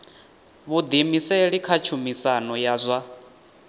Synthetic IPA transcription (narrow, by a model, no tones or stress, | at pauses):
βud̪imisɛɺikʰat͡ʃʰumisanɔjazʷa